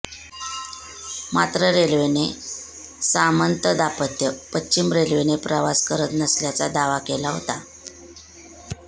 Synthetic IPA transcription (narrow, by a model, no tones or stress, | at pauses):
mat̪ɾəɾelʋene | samənt̪əd̪apət̪jəpətːɕimɾelʋenepɾəʋaskəɾət̪nəsljat͡sad̪aʋakelaɦo̰t̪a